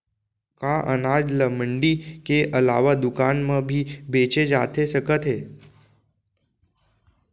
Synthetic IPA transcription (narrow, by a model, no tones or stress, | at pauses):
kaʔənad͡ʒləməɳɖikeʔəlaʋad̪ukanməbʱibet͡ʃed͡ʒat̪ʰesəkət̪ɦe